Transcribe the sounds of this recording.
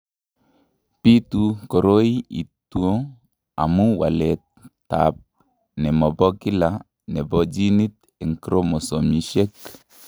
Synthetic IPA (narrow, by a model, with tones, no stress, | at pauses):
pi˦t̪u˨ko˨ɾo˦i˦ḭ˨tuo˦ | a̰˨mu˦wa̰˨lɛ˨t | a̰p̚ | nɛ˨mɔ˨bɔ˦kɪ˦la | nɛ˨bɔ˦d͡ʒi˦ni˦t̪ | ɛ˨ŋkɾo˦mɔ˨sɔ˨mi˨ʃe˦k